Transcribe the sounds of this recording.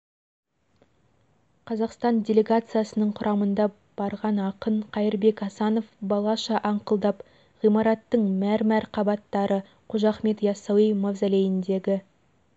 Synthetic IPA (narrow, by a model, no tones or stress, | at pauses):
qʰɑzɑqst̪ɑndʲe̞lʲe̞ɡat̪sɨjasənəɴqʰʊɾʔɑmənd̪ɑ | b̥ɑɾʁɑnɑqəɴqʰɑjəɾbe̞kɑsɑno̞fbɑlˠɑʃɑʔɑɴqəlˠd̪ɑp | ʁijmɑɾɑt̪ːəɴmæɾmæɾqʰɑbɑt̪ːɑɾə | qʰʊʒɑχme̞t̪jɑsɑwijmɑvzæle̞jɪnd̪e̞ɡʲɪ